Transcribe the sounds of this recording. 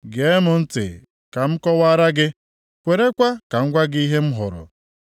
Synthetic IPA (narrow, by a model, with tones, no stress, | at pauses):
ɡe˨e˦mʊ˨n̩˦tɪ̰˨ | ka˨m̩˦kɔ˦wa˦ɾa˦ɡɪ˦ | kʷe˨ɾe˦kʷa˦ka˨ŋ̩˦ɡʷa˦ɡi˦ɦe˦m̩˦ɦʊ˨ɾʊ̰˨